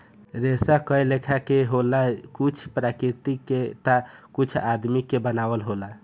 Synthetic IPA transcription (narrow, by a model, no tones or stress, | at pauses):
ɾesakəjlekʰakeɦolakut͡ʃʰpɾakɾit̪ikːet̪akut͡ʃʰad̪mikebənabəlɦola